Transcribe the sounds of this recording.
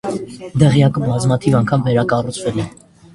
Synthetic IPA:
d̪ɛʁjɑkəbɑzmɑt̪ʰivɑŋkʰɑmvɛɾɑkɑrut͡sʰvɛlɛ

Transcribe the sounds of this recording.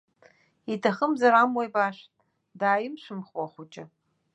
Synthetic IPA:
itʰaχəmzaɾamwajbaʃtʼ | daːjɪmʃʷɨmχwaχʷʊt͡ʃʼɪ

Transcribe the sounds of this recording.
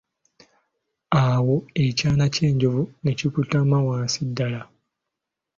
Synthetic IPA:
awo̞ecaːnace̞ːɲɟovunecikutamawãːnsidːala

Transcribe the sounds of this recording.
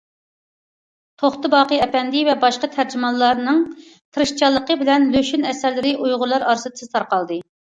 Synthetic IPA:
t̪ʰoχt̪ɨbɑːqəɛpɛnd̪ɪvɛbɑʃqɑt̪ʰæɾd͡ʒɪmɑlˠːɑɾnɨŋ | t̪ʰɨɾɨʃt͡ʃʰɑlˠːəqəbɪlɛnløʃynɛsæɾlɪɾɪʔujʁʊlˠɑɾɑɾsɨd̪ɨ̥sɨ̥t̪ʰɑɾqɑlˠd̪ɨ

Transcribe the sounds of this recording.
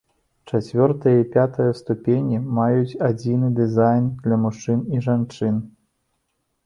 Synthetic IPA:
t͡ʂat͡sʲvʲɔrt̪ɐjɐipʲat̪ɐjɐst̪upʲenʲimajut͡sʲad͡zʲinɨd̪ɨzajnd̪lʲɐmuʂt͡ʂɨniʐant͡ʂɨn

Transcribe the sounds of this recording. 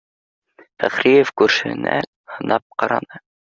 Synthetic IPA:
fæχɾijefkʉɾʃɘ̰̆næ̰ | hɤ̆nɑp̚qɑɾɑ̰nɤ

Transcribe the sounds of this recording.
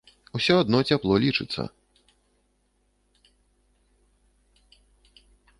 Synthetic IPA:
usʲɔad̪nɔt͡sʲaplˠɔlʲit͡ʂɨt̪sːə̰

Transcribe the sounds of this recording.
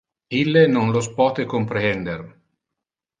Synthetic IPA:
ilːenonlospɔːt̪ekompɾeɛnd̪er

